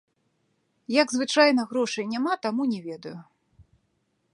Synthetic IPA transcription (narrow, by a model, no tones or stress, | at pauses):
jɐɡzvɨt͡ʂajnɐɣɾɔʂɐjnʲamat̪amunʲɛvʲɛd̪ɐju